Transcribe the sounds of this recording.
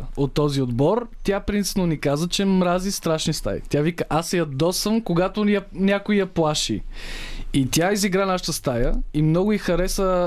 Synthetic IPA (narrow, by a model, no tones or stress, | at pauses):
ot̪ːɔziod̪bɔɾt̪ʲjapɾint̪si̥pnonikazət͡ʃɛmɾazist̪ɾaʃnist̪a̰j̰t̪javikəʔasjɐd̪ɔsəmkoɡat̪oɐnʲakʊijɐplˠaʃḭ | it̪ʲjaiziɡɾanaʃə̥t̪əst̪ajəimnɔɡʊixɐɾɛsə